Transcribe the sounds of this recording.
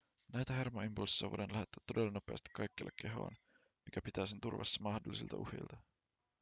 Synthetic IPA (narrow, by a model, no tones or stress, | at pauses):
næjt̪æhe̞rmoimpulsɑʋo̰jʔenlæhet̪ːæt̪ːo̞delːɑno̞peɑst̪i̥kːɑjkːḛlːeɑ̰kːe̞ɦo̞̰ːn | mik̟æpit̪æːs̬ent̪urʋɑ̰sːɑmɑhdolːˑisḭlt̪ɑ̰ʔṵhḛjlt̪ɑ